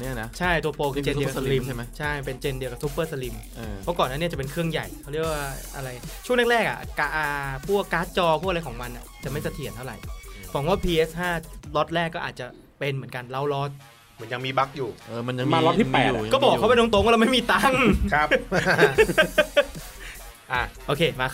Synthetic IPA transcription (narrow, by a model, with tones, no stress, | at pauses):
ni˥˩ɐn˦˥t͡ɕʰa˥˩jt̪u˧ə˧poː˧kɯ˧t͡ɕe˧di˧ksli˧m˦t͡ɕʰa˥˩jpe˧nt͡ɕe˧ndi˧ka˨˩su˦˥pːɤː˥˩sa˧li˧m | pʰɔ˦˥kɔː˨˩naː˥˩i˦˥˩t͡ɕa˨˩pe˧nkʰɯ˥˩əŋja̰˨˩jkʰa˦˥wli˥˩əkwaː˥˩ʔa˧ɾa˧jt͡ɕʰu˥˩ŋnaː˥˩kɾɛː˥˩k̚a̰˨˩ka˧ʔːpʰu˥˩əkːaː˦˥t̪̚t͡ɕɔː˧pʰu˥˩ʔa˧a˧jkʰɔː˩˦ŋwma˧ni˨˩t͡ɕa˨˩ma˥˩jsa˧t̪ʰi˨˩˦ənt̪ʰa˥˩wɾa̰˨˩jfaː˨˩˦ŋwaː˥˩pʰiː˧ʔe˦˥shaː˥˩lɔ˦˥t̪̚lɛː˥˩kːɔː˥˩ʔaː˨˩t̪̚t͡ɕa˨˩ | pe˧nmɯ˩˦ənka˧nla˦˩wlɔ˦˥t̪̚ | mɯ˩˦ja˧ŋmiː˧ba˦˥k̚juː˨˩ʔɤː˧ma˧nja˧a˧lɔ˦˥t̪ʰi˥pɛː˨˩uː˨˩kɔː˥˩bɔː˨˩kʰːa˦˥pnɔ˦˥ŋt̪̬o˦˥ŋwaː˥lma˥˩jmiː˧t̪a˦˥ŋkʰa˦˥p | ʔa˧˩ʔoː˧kʰeː˧maː˧